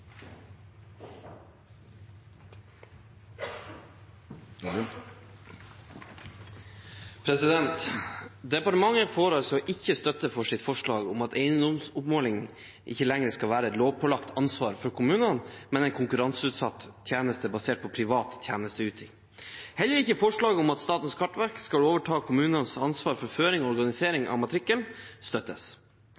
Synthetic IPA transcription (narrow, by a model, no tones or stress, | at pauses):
pʰɾɛsɪd̪ɛnt̪d̪ɛpɑʈəmɑŋːəɾfoːɾɑsɔʔɪçːəst̪œt̪ːəfɔʂɪt̪fɔʂɭɑːɡʊmɑt̪ʰeɪənd̪ɔmsʊpmoːlɪŋ | ʔɪ̰çːəlɛŋɾəskɑlʋæːɾəɛt̪loːʋpʰɔlɑkt̪ʰɑnsʋɑːɾfɔɾkʰʊmʉːnənmɛnɛɪnkʰʊŋkʉɾɑnsʉːt̪sɑt̪ːʰjæːnəst̪əbɑseːʈ̚pʰɔpʰɾɪʋɑːt̪ːʰjæːnəst̪əʉːt̪ʰɪŋ | hɛlːəɾɪçːəfɔʂɭɑːɡəʊmɑt̪st̪ɑːt̪n̩skʰɑʈːʋæɾkskɑloːʋəʈʰɑːkʰʊmʉːnənsɑnsʋɑːɾfɔɾføːɾɪŋɔɔɾɡɑnɪseːɾɪŋʔɑ̰ʋmɑt̪ʰɾɪkːənst̪œt̪ːəs